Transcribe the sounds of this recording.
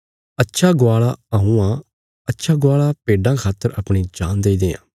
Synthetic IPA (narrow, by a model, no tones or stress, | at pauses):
ətːʃʰaɡʊaːɭaɐɦũã | ɐtːʃʰaɡʊaːɭapeːɖãkʰaːt̪əɾɐpɽ̃id͡ʒaːnd̪eːid̪eːã̰ː